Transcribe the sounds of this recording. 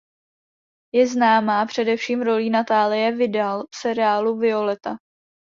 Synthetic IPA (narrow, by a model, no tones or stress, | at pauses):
jɛznaːmaːpr̝̥ɛdɛfʃiːmɾo̞liːnat̪aːlɪjɛvɪdalfsɛɾɪaːluvɪo̞lɛt̪a